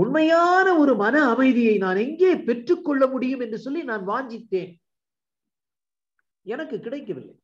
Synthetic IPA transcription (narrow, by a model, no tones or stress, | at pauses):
ʊnmɐjaːnɐɔɾɯmɐnɐːmɐɪðɪjɐɪnaːnɛŋɡeːpɛʈrɯkːɔɭːɐmʊɽɪjɯmɛndrɯsɔlːinaːnʋaːɲd͡ʒɪt̪ːeːn | ɛnɐkːɯkːɪɽɐɪkːɐʋɪlːɐ̰ɪ